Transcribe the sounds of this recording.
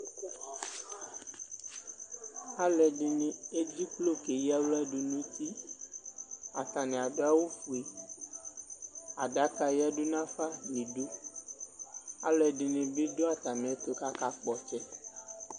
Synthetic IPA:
a˦lɛ˨ɖɪ˨nẽ˨e˦d͡ʑi˦k͡plo˦ke˨ji˦a˦wla˦ɖo˨nũ˦t̪i˦ | a˨t̪a˨nɛ̃˨a˨ɖo˨˦a˦wo˦fu˨e˨ | a˨ɖa˦ka˨ja˦ɖo˦nã˦fa˦ni˨ɖo˦ | a˨lɛ˨ɖɪ˨nẽ˨be˦ɖo˦a˨t̪a˨mɛ̃˨˦t̪o˨ka˦ka˦k͡pɔ˨t͡ʃɛ˦

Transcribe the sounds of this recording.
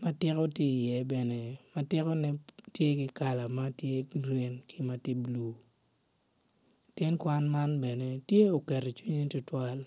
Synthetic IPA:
ma˦tɪ˦kɔ˦tje˦˨jɛ˨bɛ˨ne˨ma˦tɪ˦kɔ˦nɛ˦tje˦kɪ˦ka˨la˨ma˦tje˦ɡɾe˦nkɪ˦ma˨ti˦blu˨ | tɛ˦nkwa˦nma˦nbɛ˨ne˨tje˦o˨kɛ˨ɾo˨t͡ʃwi˦ɲe˦tʊ˦twa˦l

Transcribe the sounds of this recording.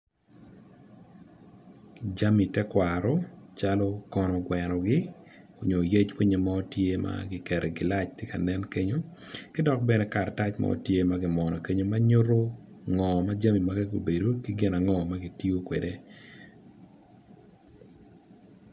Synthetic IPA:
d͡ʒa˦mi˨tɛ˦kwa˨ɾɔ˦t͡ʃa˦lɔ˦kɔ˦nɔ˨ɡwɛ˨nɔ˨ɡɪ˦ | o˨ɲo˨je˦t͡ʃwi˦ɲe˨ma˦o˦tje˦ma̰ɡɪ˨kɛ˨ɾʔɛ˨ɡɪ˨la˦t͡ʃtje˦ka˨nɛ˦nke˦ɲo˦kɪ˦dɔ˦k̚bɛnɛ˦ka˨ɾta˦t͡ʃma̰˦o̰˦tje˦ma˦ɡɪ˨mɔ˨nɔ˨ke˦ɲo˦ma˦ɲo˦ro˦ | ŋɔ˨ma˦d͡ʒa˦mi˨ma˦ɡɛ˦ɡo˨be˨do˦kɪ˦ɡɪ˦na˨ŋɔ˨ma˦ɡɪ˨ti˦o˦kwḛ˨de˦

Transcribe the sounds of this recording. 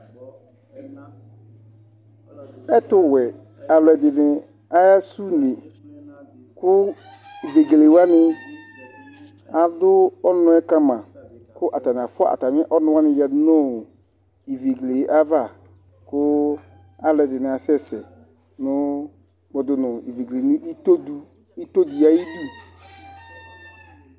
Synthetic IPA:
ɛ˦tʊ˦wɛ˨ | a˨lɛ˨dɪ˨nɪ˨ | a˦ja˦su˦ne˨ | kʊ˦ | i˨ve˨ɡe˨le˨wa˦nɪ˦ | a˨dʊ˦ɔ˦nʊ̃˦ɛ˦ka˦mã˨ | kʊ˦ʔa˨ta˨n˨a˨fʊ˦a̰˦a̰˨ta˨m˦ʔɔ˦nʊ̃˦wa˦nɪ̃˦ja˨˦nʊ˦˨ | i˨ve˨ɡle˨˦ʔa˦va˦˨ | kʊ˦ | a˦lɛ˨dɪ˨nɪ˨˦a˨sɛ˦˨sɛ˨ | nʊ˦ | mɔ˨dʊ˨nʊ̃˨i˨ve˨ɡle˨nɪ˦ʔi˦to˦du˦ | i˦to˦di˨a˦i˦du˦˨

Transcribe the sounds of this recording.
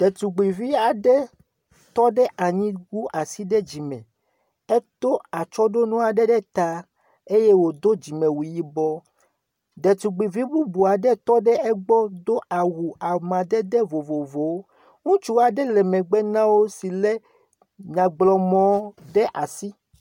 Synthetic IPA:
d̪̥ɛ˨t̪u˨ɡ͡bi˨vi˦a˨ɖɛ˦ | t̪ɔ˦ɖɛ˦ʔa˨ɲĩ˦ɡu˦ʔa˨si˦ɖɛ˦d͡ʑi˨mɛ̰̃˨ | ɛ˦t̪o˦a˨t͡ʃɔ˦ɖo˦nũ˦a˨ɖɛ˦ɖɛ˦t̪a˦ | e˦je˦wo˨d̪o˦d͡ʑi˨mɛ̃˨wu˨ji˦bɔ˦ | d̪ɛ˨t̪u˨ɡ͡bi˨vi˦bu˦bu˨a˨ɖɛ˦t̪ɔ˦ɖɛ˦ɛ˦ɡ͡bɔ˦d̪o˦a˨wu˨a˨mã˨d̪ɛ˦d̪ɛ˦vo˨vo˨vo˨wo˦ | ŋũ˦t͡ʃu˦a˨ɖɛ˦lɛ˨mɛ̃˨ɡ͡bɛ˦nã˦wo˦si˨lɛ˦ | ɲã˨ɡ͡blɔ˨mɔ̃˦ɖɛ˦ʔa˨si˦

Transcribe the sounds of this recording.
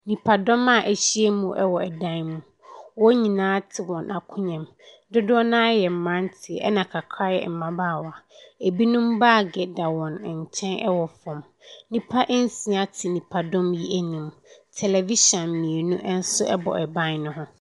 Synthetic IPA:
nĩ˨pʰa˨dɔ̃˦ma˨ʔæ˨ɕi˦e˦mũ˨ʔɛ˦wɔ˨ɛ˨dã˦nmũ˨ | wɔ˦ɲĩ˨nãː˦tʰɪ˨wɔ̃˨nʔa˨kʰʊ̃˦ɲɛ̃˨m | dʊ˦dʊ˦ɔ˦nã˦jɛ˨m̩˨mã˦n˦tʰɪ˨ɛ̰˦nã˨kʰa˨kʰa˦jɛ̰˨m̩˨mã˦baː˦˨wa˨e˨bi˦nũ˦mba˦˨ɡɛ˨da˨wɔ̃˨n˨ɲ̩˨t͡ɕʰɛ̃˦nʔɛ˦wɔ˨fɔ̃˨m | nĩ˨pʰa˦ʔɛ˦n̩˦sĩ˨˦a˨tʰɪ˨nĩ˨pʰa˨dɔ̃˦mji˦æ˨nĩ˨mtʰɛ˨lɛ˨vi˦ɕɔ̃˨nmĩ˨e˨nũ˦ʔn̩˦sʊ˦ʔɛ˦bɔ̰˨ʔɛ˨bã˦nnʊ̃˦ɦʊ̃˦

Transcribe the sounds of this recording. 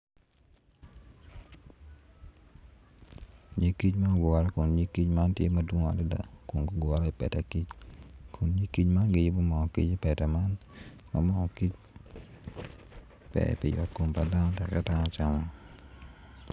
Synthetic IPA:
ɲi˦ki˦t͡ʃma˦ɡa˨ɾɔ˦ko˨nɲi˦ki˦t͡ʃma˦ntjḛ˦ma˨dwo˦ŋ˦a̰˨do˦da̰˨ko˨nɡʊ˦ɡɔ˨ɾɔ˦ɪ˨pɛ˨tɛ˨ki˦t͡ʃkʰo˨nɲi˦ki˦t͡ʃma˦nɡɪ˦jɪ˦bo˦mɔ˨ɔ˨kḭ˦t͡ʃɪ˦pɛ˨tɛ˨ma˦n | ma̰˨mɔ˦ɔ˨ki˦t͡ʃ | pɛ̰˨pɪ˨jɔ̰˨tko˨mpa˨da˦nɔ˦tɛ˨kɛ˦ta˦nɔ˦t͡ʃa˨mɔ˦

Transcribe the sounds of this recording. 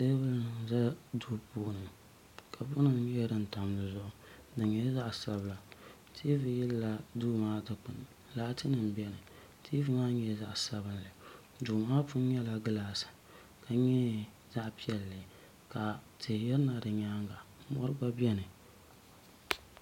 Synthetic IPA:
te˦bɨ˦lza˦du˦poː˦˨nɨ˨ | kʰa˨bʊ˦nɨ˦ŋ˦jɛ˦dɨ˦n̩˨ta˨m˨nɨ˨zʊ˦ʔʊ˦ | dɨ˨ɲɛ˦za˦ʔsa˦bla˨ | tʰi˦vɨ˨jɪ˦lːa˦duː˦maː˦dɨ˨k͡pɨ˨n˨ | laː˦tɨ˦nɨ˨m˦bɛ˦nɨ˨ | tʰi˦vɨ˦maː˦ɲɛ˦za˦ʔsa˦βɨ˦nlɨ˨ | duː˨maː˦fʊ˦n˦ɲɛ˦la˨ɡɨ˦laː˨sɨ̥˨ | ka˨ɲɛ˦ | za˦ʔpi˦ɛ˨lːɨ˨ | ka˨tɨ˨jɛ˦ɾna˨dɨ˨ɲaː˦ŋɡa˨˦mɔ̰˦ɾɨ˦ɡ͡ba˦bi˦ɛ˦nɨ˨

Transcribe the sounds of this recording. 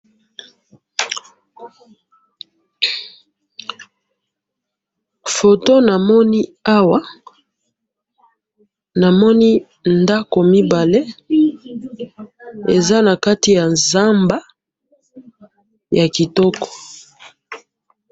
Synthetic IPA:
fo˨to˦na˨mɔ˦ni˦a˦wa˦ | na˨mɔ˦ni˦ | nda˦ko˨mi˦ba˨le˦ | e˨za˦na˨ka˦ti˨ja˨nza˦mba˦ | ja˨ki˨tɔ˦kɔ̥˨

